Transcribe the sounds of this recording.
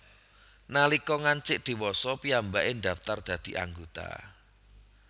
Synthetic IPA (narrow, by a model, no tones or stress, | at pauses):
nalikɔŋaɲt͡ʃɪʔd̪̥i̤wɔsɔpiambaʔɪnɖ̪aft̪ard̪̥ä̤d̪̥i̤ʔa̰ŋɡot̪a̰